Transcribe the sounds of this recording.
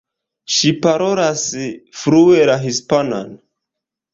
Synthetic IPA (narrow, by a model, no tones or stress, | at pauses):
ʃipaɾoɾasfɾuelaɦispana̰n